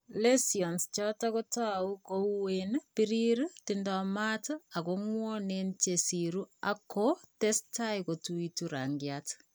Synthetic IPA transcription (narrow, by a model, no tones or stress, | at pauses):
lesiɔnst͡ʃɔtakotaukouwenpiɾiɾutindɔmatakoŋwɔnent͡ʃesiɾuakotestaikotuituɾa̰ŋɡjat